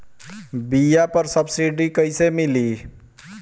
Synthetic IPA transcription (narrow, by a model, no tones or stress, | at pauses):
bijapəɾsəbsiɖikəɪsemili